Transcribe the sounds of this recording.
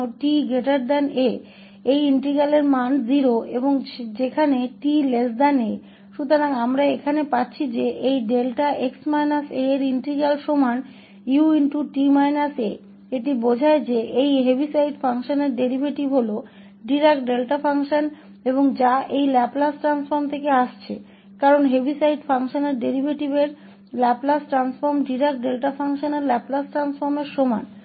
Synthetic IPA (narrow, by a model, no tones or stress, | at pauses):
oʈiɡeʈaɾd̪ɛne | ejiɳʈɾiɡaleɾmanziɾoeboŋd͡ʑekʰaneʈilesd̪ane | ʃut̪oɾaŋamɾaekʰanepatːɕʰid͡ʑeʔejɖelʈaʔeksmajnaseɾiɳʈɾiɡalʃoman | juinʈuʈimajnase | eʈibod͡ʑʱaed͡ʑeʔejɦebʱisajɖfʰaŋʃoneɾɖeɾibʱeʈibɦolo | ɖiɾekʈɖelʈafaŋʃon | eboŋd͡ʑaʔejlɛplasʈɾansfoɾmt̪ʰekeaʃt͡ɕʰḛ | kaɾonɦebʱisajɖfaŋʃoneɾɖeɾibʱeʈibeɾ | lɛplasʈɾansfoɾmɖiɾek̚ʈɖelʈafaŋʃoneɾlɛplasʈɾansfoɾmeɾʃoma̰n